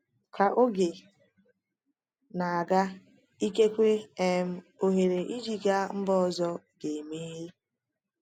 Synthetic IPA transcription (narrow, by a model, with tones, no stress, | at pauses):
ka˨ʔo˦ɡe˨ | na˨a˨ɡa˦ | i˦ke˦kʷe˦e˨m̩˦o˨ɦe˨ɾe˨ʔi˦d͡ʒi˦ɡa˦m̩˦bɔ˦ɔ˨zɔ˦ | ɡe˨me˦ɦi˦